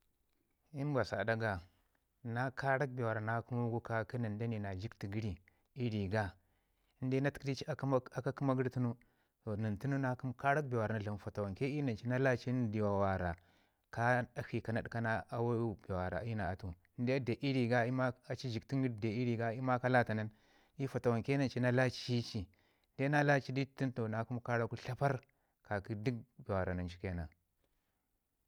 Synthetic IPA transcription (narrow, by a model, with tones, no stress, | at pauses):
i˦n˦bʷa˨sa̰˨da˦ɡa˨ | na˦ka˦ɾa˦k̚be˨wa˨ɾa˨na˦ku˦mu˦ɡu˦ka˦ki˦na˨nda˦ni˨na˨d͡ʒi˦kti˨ɡi˦ɾi˨ | i˦ɾi˨ɡa˦ | n˦de˦na˦tkdi˦t͡ʃa˦a˨ka˦ku˦ma˦ɡi˦ɾtu˦nu˦ | to˨ni˨tu˦nu˦na˦ku˦mka˦ɾa˦k̚bi˨wa˨ɾa˨na˨ɮa˨m˦fa˨ta˨wa˨nke˦i˦na˨nt͡ʃi˦na˦la˦t͡ʃi˦n˦˨di˨wa˨wa˨ɾa˨ | ka˦a˦hi˨ka˨na˨ɗka˦na˦a˦wa˦be˨wa˨ɾa̰˨˦i˦na˨a˨tu˨˦n˦de˦a˦de˨ʔi˦ɾi˨ɡa˦i˦ma˦a˨t͡ʃi˦d͡ʒi˨kti˦ŋ˦ɡi˦ɾde˨i˦ɾi˨ɡa˦i˦ma˦ka˦la˦ta˨na˦n | i˦fa˨ta˨wa˨ŋke˦na˨nt͡ʃi˦na˦la˦t͡ʃi˦i˦t͡ʃi˨˦ | de˦a˦la˦t͡ʃi˦di˦ti˦n˦to˨na˨ku˦mka˦ɾa˦ku˦ɬa˦pa˦ɾ | ka˨ki˦di˦k̚be˨wa˨ɾa˨na˨nt͡ʃi˦ke˦na̰˨